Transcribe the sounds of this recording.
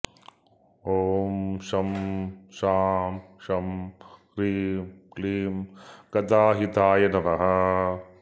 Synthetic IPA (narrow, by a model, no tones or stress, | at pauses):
oːmʃɐmʃaːmʃɐmkɾiːmkliːmkɐt̪aːɦit̪aːjɐnɐɾɐɦɐ